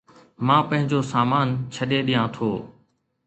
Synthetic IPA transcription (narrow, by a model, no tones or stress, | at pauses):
mãːpɐ̃ɦɪ̃ɲd͡ʑoːsaːmaːnt͡ɕʰəɗeɗijãt̪ʰoː